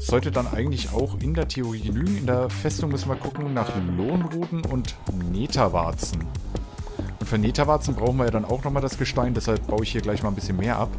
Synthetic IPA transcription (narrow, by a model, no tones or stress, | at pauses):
z̥ɔltədanʔa̰ɪɡŋ̩tlɪça̰ʊxɪndeːɐtʰeʊʁ̞iːɡənyːɡŋ̩ɪndeːɐfɛstʊŋmʏsn̩viɐɡʊkŋ̩naːχloːnʁuːtn̩ʔʊntneːtʰava̰ɐt͡sn̩ | ʔʊntfyːɐneːtavaɐt͡sn̩bʁaʊxn̩viːɐjaːdana̰ʊxnɔχmaːldasɡ̥əʃtaɪndɛshalp̚b̥aʊəɪçhiːɐɡlaɪçmaːlnbɪsçənmeːɐʔap